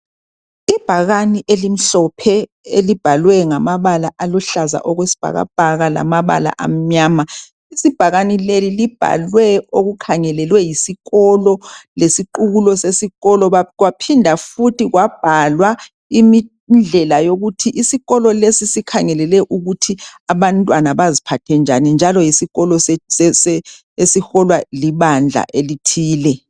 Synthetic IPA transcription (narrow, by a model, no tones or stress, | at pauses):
ib̥ʱaɣaniʔelim̩ɬɔpʰɛ | elib̥ʱalwɛŋamaβalaʔaluɬaza̰ʔɔɣwesi̥b̥ʱa̰ɣa̰b̥ʱaɣala̰maβa̰la̰ʔa̰m̩ɲaːma | isib̥ʱaɣanilelilib̥ʱa̰lwɛoɣukʰaŋɛlɛlwɛjisiɣɔlɔlesiǃuɣulɔsesiɣɔlɔaɣwapʰindʱafutʰiɣwab̥ʱalwa | imi | nd͡ɮʱɛlajoɣutʰiʔisiɣɔlɔlesisikʰaŋɛlɛlɛʔuɣutʰiaβantʼwanaβazipʰatʰɛnd͡ʒʱanind͡ʒʱalɔjisiɣɔlɔsɛsɛ | esixɔlwaliβand͡ɮʱa̰ʔelitʰiːlɛ